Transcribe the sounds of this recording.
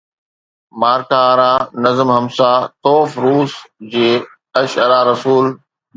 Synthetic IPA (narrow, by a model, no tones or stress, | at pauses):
maːɾkãɾãːnɐzəmɦɐmsat̪oːfɾuːsd͡ʑeː | ɐʃəɾaɾɐsuːl